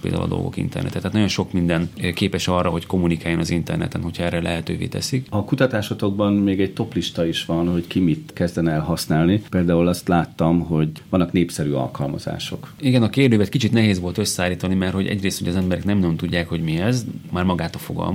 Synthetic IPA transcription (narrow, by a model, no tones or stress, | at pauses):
pḛld̪a̰ṵlɒd̪o̰lɡo̞̰kḭnt̪ɛ̰rnɛ̰t̪ɛt̪aːt̪nɒjo̞nʃo̞kmind̪ɛnkeːpɛʃɒrːɒɦo̞cko̞mːunikaːjːonɒzint̪ɛ̰rnɛ̰t̪ɛnɦo̞chɒɛrːɛlʔɛɦɛt̪øːvḛːt̪ɛ̰sikɒkut̪ɒt̪aːʃot̪o̞ɡ̚bɒnmeːɡɛɟ̚t̪o̞pliʃt̪ɒiʃʋɒnho̞ckimit̪kɛzd̪ɛnɛɛlɦɒsnaːlnipeːld̪aːulɒst̪laːt̪ːɒmɦo̞ɟʋɒnːɒkneːpsɛɾyːɒ̰lkɒlmɒ̰z̥a̰ːʃo̞̰kiɡɛnɒkeːrd̪øːvɛt̪kit͡ʃit̪nɛɦeːzʋo̞lt̪øsːɛaːlːiːt̪ɒnimɛrho̞ɟɛ̰ɟreːst̪uɟɛzɛmbɛɾɛknɛmnɒjont̪uɟːaːkho̞ɟmiɛzmaːrmɒɡaːt̪ɒfo̞ɡɒ̰lm